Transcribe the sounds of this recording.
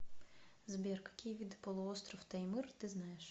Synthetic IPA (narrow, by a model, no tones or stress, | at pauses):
zbʲɛrkɐ̥kʲijʋʲid̪ɨpɔlˠʊɔst̪ɾɔwt̪ɐimɨrt̪ɨznajɛʃ